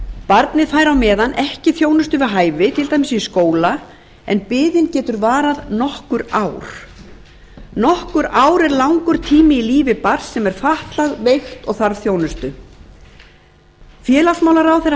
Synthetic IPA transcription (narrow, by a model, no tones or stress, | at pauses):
paɾt̪nɪðfaːjɾawmɛːðanʔɛhcɪθjoːwnʏst̪ʏvɪðɦaːjvɪt̪ʰɪlt̪ajmɪsiskoːwla | ɛ̰npɪːðɪncɛːt̪ʏɾvaːɾaðnɔhkʏɾaːwɾ̥ | nɔhkʏɾaːwɾɛɾlawŋkʏɾ̥t̪ʰiːmɪiliːvɪpaɾsɛmɛɾ̥faht̪laɣvejxt̪ɔɣθaɾθjoːwnʏst̪ʏ | fjɛːlasmawlaɾawθejɾ